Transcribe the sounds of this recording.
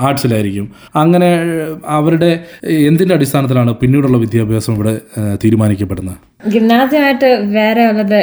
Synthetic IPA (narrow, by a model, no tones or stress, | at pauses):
aːʈsilaːjiɾikʲːum | ɐŋːɐne̞ɐʋɐɾuɽe̞end̪indeɐɽist̪ʰaːnɐt̪̬ːilaːɳɨpinːiːɽuɭːɐʋid̪ʱjaːbʱjaːsɐmiʋiɽet̪iːɾumaːnikʲːɐpːeɽunːɐ | ɡinːaːd̪ʱjɐmaːjiʈːɨʋe̞ːɾe̞uɭːɐðɨ